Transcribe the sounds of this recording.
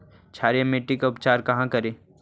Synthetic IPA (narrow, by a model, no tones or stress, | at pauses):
t͡ʃʰaːɾijameːʈːikaʊpt͡ʃaːɾkɐɦãkɐɾẽː